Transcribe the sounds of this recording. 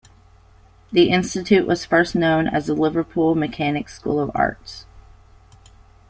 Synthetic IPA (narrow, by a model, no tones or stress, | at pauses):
ðiʔɪ̃nstɨtʰʉʔwʔʌz̥fɜ˞sⁿnõʊ̃nɨ̰zəlɪvə˞pʰulˠmɨkʰænɨkskṵlˠʌvɑ̰ɹts